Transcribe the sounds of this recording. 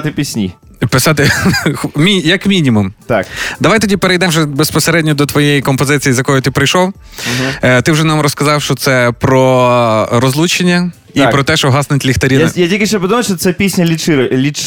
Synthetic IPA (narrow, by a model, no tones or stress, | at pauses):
t̪ɪpʲisʲnʲḭ | pɪsɑt̪ɪxmʲijɐkmʲinʲimumt̪akd̪ɐʋajt̪ɔdʲipeɾejd̪ɛmwʒɛbespɔseɾɛdʲnʲɔd̪ɔt̪ʋɔjejikɔmpɔzɪt͡sʲijizjɐkɔjʊt̪ɪpɾɪjʃɔw̩ | t̪ɪwʒɛnɑmɾɔskɐzɑwʃt͡ʃɔt̪sɛpɾɔ | ɾɔzlˠut͡ʃenʲːɐ | ipɾɔt̪ɛʃɔɦɑsnʊtʲlʲixt̪ɐɾʲinjatʲilʲkʲɪʃt͡ʃɛpɔd̪umɐjʃt͡ʃɔt̪sɛpʲisʲnʲɐlʲit͡ʃɪɾlʲi